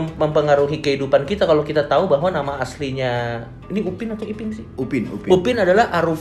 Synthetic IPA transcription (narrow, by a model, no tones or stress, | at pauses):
məmpəŋaɾuɦikəɦidupankit̪akalokit̪at̪aubaɦwanamaːsliɲa | iniupɪnat̪ɔkipɪnsɪhupɪnṵpupɪnadalahʔaɾuf